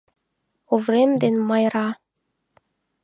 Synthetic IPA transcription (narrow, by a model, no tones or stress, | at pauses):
ovrʲemʲd̪enʲmɑjɾɑ